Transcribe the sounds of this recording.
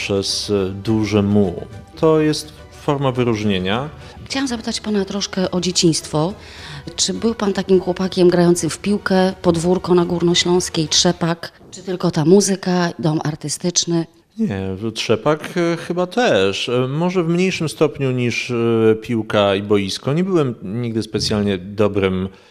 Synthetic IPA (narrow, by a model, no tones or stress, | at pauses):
pʂɛzd̪uʐɛmut̪ʰɔjɛst̪ | fɔɾmavɘɾuʐɲeɲa | xt͡ɕawamzapɘt̪at͡ɕpanat̪ɾɔʂkɛʔɔd͡ʑet͡ɕĩj̃st̪fɔ | t͡ʂɘbɘwpant̪akʲimxwɔpakʲɛmɡɾajɔnt̪sɘmfpʲiwkɛpɔd̪vuɾkɔnaɡuɾnɔɕlɔ̃w̃skʲetʂɛpak | t͡ʂɨt̪ɘlkɔt̪amuzɘkad̪ɔmʔaɾt̪ɘst̪ɘt͡ʂnɘ | ɲɛtʂɛpakxɘbat̪ɛʂmɔʐɛvmɲejʂɘmst̪ɔpɲuɲiʂpʲiwkaibɔjiskɔɲɛbɘwɛmɲiɡ̚d̪ɘspɛt̪sʲjalɲɛd̪ɔbɾɘm